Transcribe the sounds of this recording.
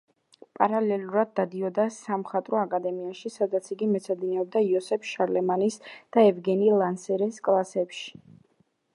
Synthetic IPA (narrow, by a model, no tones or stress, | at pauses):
pʼaɾalɛlˠuɾad̪̚ːad̪iɔd̪asamχat̪ʼɾɔakʼad̪ɛmiaʃisad̪at̪sʰiɡimɛt̪sʰad̪inɛɔb̚d̪aiɔsɛpʰʃaɾlɛmanisd̪̥aɛvɡɛnilˠansɛɾɛskʼlˠasɛpʃi̥